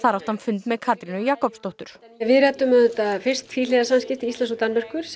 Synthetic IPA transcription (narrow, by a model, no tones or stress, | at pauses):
θaɾawht̪hanfʏnt̪mɛðkʰaːt̪ɾinʏjaːkɔpst̪oht̪ʏɾ̥ | vɪɾɛt̪ʏmɛt̪afɪrst̪fiːlɛðasanscɪft̪iist̪ans̬ɔt̪anmɛr̥kʏɾ̥s